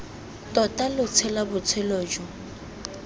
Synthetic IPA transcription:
tʼɔtʼalʊt͡sʰɛlabʊt͡sʰɛloːd͡ʒɔ

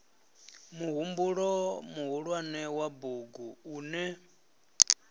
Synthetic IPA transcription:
muɦumbuɺɔmuɦuɺwanɛwabuɡuuːnɛ

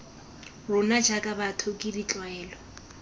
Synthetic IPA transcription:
rʊnad͡ʒʱakʼabatʰʊkʼidit͡ɬʼwaɛːlɔ

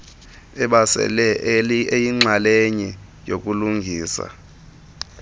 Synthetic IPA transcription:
ɛɓasɛ̰lɛejiŋ͡ǁaleɲi | jok̬ʼuluŋɡʱiːsa̰

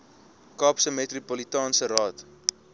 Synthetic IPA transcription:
kɑːpsəmɛtripolitɑːnsəɾɑːt

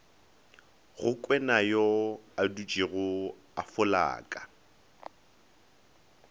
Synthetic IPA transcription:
ɣʊkʼwɛnajɔadut͡ʃʼiɣʊ | afʊla̰ːkʼa

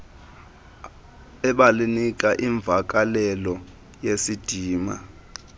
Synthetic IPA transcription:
ɛɓalinik̬ʼaʔiɱb̪vʱak̬ʼalɛlɔ | jesid̥ʱiːma̰

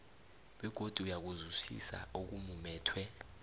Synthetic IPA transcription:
wɛɡ̥ʱod̥ʱuujak̬uzusḭsa̰ok̬umumɛːtʰwɛ

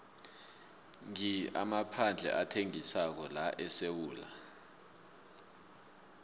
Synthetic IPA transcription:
ŋiamapʰand͡ɮʱɛ̰ʔatʰeŋisak̬ɔlaʔɛsewuːla̰

